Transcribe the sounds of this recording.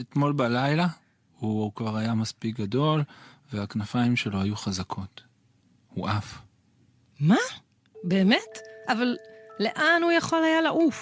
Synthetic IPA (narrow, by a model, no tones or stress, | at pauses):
etmo̞lbalajla | hukvaʁajamaspik̚ɡado̞lveaknafaimʃe̞lo̞ɦajuχazakʰo̞t | huʔaf | ma | beːmetʔavalle̞ʔanhujaχo̞lhajalaʔuf